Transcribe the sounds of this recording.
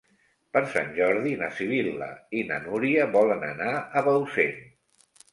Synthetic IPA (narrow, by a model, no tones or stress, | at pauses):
pəɾsa̰nʲʒɔɾðinasiβ̞ilə̰ina̰nuɾiəβɔlənə̰naəβəwsen